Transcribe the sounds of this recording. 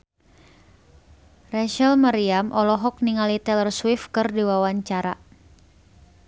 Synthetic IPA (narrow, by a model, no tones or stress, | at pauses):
rɛʃəlmaɾiamʔɔlɔɦɔk̚niŋalit̪ɛlərswifkɨrdiwawaɲt͡ʃaɾa̰